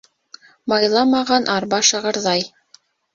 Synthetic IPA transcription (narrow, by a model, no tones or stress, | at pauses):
mɑjlˠɑmɑʁɑnʔɑɾbɑʃɤ̆ʁɤ̆ɾðɑj